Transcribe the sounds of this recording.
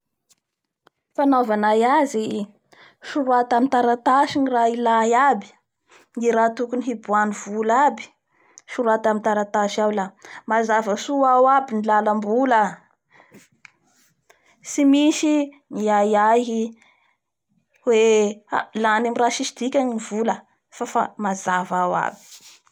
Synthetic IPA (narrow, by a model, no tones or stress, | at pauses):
fanovanajazi | ʃuɾuat̪amint̪aɾat̪aʃinirailajabi̥ | niɾat̪ukuniɦibuaniv̥ulabi̥ | ʃuɾuat̪amint̪aɾat̪aʃawlamazavəsuawabinilaləmbula | simisi | niajaɦi | wealanemiraʃiʃi̥d̪̥ikʲaŋinivulə | fafa̰mazavawa̰bi̥